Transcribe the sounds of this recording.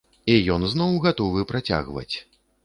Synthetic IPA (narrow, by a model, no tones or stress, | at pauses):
ijɔnznɔwɣat̪ɔvɨpɾat͡sʲa̰ɣvɐ̰t͡sʲ